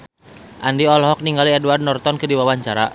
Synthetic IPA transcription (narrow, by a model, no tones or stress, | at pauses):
ʔandiɔlɔɦɔk̚niŋɡaliɛduard̚nɔrt̪ɔnkɨdiwawaɲt͡ʃaɾa̰